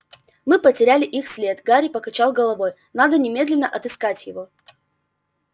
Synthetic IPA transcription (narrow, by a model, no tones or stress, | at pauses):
mɨpətʲɪɾʲælʲɪʔixsʲlʲe̞t̪ɡaɾʲɪpəkɐt͡ɕalˠɡəlˠɐvo̞j | nad̪ənʲɪmʲe̞d̪lʲɪnːəʔɐt̪ɨskatʲjɪvo̞